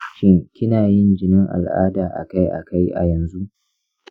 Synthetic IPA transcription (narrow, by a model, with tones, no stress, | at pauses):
ʃɪ˦ŋkʲɪ˦naː˨jɪ˦nd͡ʒɪ˨nɪ˦ŋʔa̰˨lʔa̰ː˦daː˨ʔa̰˨ka˦jʔa̰˨ka˦jʔa̰˨jɐ˨nzu˦ʔ